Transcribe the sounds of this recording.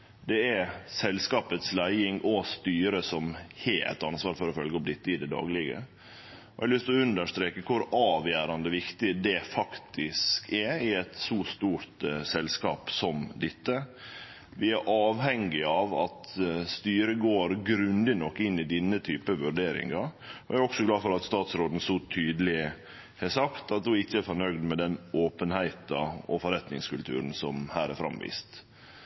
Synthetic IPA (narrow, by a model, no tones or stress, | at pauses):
d̪ɛæɾsɛlskɑːpət̪slæɪɪŋʔɔst̪yːɾəsɔmheæ̰t̪ːɑnsʋɑːɾfɔɾɔfœlɡəɔmd̪ɪt̪ːəɪd̪ɛd̪ɑ̰ːɡlɪɡə̰ | ɔhɛlʏst̪lɔʉnd̪əʂt̪ɾeːkəkʰʊɾɑːʋjæːɾɑnd̪əʋɪkt̪ɪd̪ɛfɑkt̪ʰɪskʰɛɾɪɛt̪suːst̪uːɾt̪sɛlskɑ̰ːpsɔmd̪ɪt̪ːə | ʋɪæɾʔɑːʋhɛŋːɪɑʋɑt̪st̪yːɾəɡoːɾɡɾʉnd̪ɪnɔkːɪnːɪd̪ɪnːət̪ʰyːpəʋʉɾɖeːɾɪ̰ŋɑɾ | ɔʔæɾɔksɔɡlɑːfɔɾɑt̪st̪ɑːt̪sɾoːd̪n̩sɔt̪ʰyːd̪əlɪ | hɛsɑkt̪ɑt̪̚d̪uɪçːəæɾfɔɳœɡd̪mɛd̪ɛnoːpənhæɪt̪ɑɔfɔɾɛt̪nɪŋskʉlt̪ʰʉ̰ːɾənsɔmhæːɾæɾfɾɑ̰mʋḭːst̪